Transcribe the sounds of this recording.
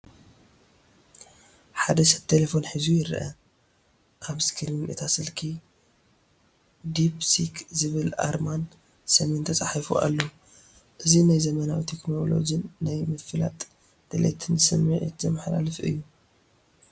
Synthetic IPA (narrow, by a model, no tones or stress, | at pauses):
ħad̪ɐʃɐt̪ʰelefo̞nħizujɪɾʔɐ̰ | kʰaβskʰilminʔɨt̪ʰasɨlkʰi | d̪ipsikʰzɨβɨla̰ɾman | sɐme̞nt̪ʰɐt͡sʼaħifṵʔa̰lːo | ʔɨzinajzɐmɐnawit̪ʰekno̞lo̞̰d͡ʒinːajmɨfɨla̰t̪ʼ | d̪̥elḛt̪ʰɨnsɨmiʕt̪zɐmːɨħla̰lɨfʔɨ̰jːu